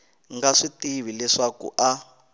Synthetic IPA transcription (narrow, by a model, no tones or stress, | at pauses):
ŋɡaʂitiβilɛʂakṵʔa